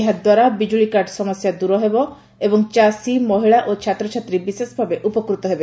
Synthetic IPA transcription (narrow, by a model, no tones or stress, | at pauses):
ɦad̪waɾabid͡ʒuɭikaɾɖsɔmɔsjad̪uɾɔɦebɔ | ebɔŋt͡ʃasimɔɦiɭaʔot͡ʃʰat̪ɾɔt͡ʃʰat̪ɾibisesbʱabeʔupɔkɾut̪ɔɦebe